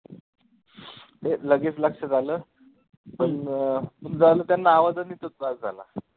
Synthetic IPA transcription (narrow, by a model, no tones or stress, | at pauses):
t̪eləɡifləkʂəd͡zʱaləː | pəɳmənd͡zaləːt̪janːaːʋad̪əniːt̪ot̪̚ad͡zd͡zʱa̰la̰